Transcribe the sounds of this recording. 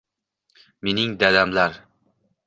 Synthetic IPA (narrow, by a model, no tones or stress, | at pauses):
me̞nɪŋd̪ad̪amlaɾ